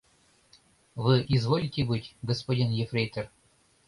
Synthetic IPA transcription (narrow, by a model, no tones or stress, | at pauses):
vɨʔizvolʲitʲɪbɨtʲɡəspɐdʲinjefɾʲejt̪ər